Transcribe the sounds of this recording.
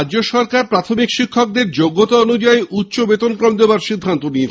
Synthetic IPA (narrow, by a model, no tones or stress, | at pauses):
d͡ʑoʃɔɾkaɾpɾat̪ʰomikʃikʰːok̚d̪eɾd͡ʑoɡːot̪oonud͡ʑaeut̪ːɕobet̪onkɾomd̪ebaɾʃid̪ʱːant̪onit̪